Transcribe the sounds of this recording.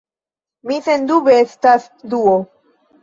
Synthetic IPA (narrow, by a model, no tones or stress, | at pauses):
misendubeestas | duo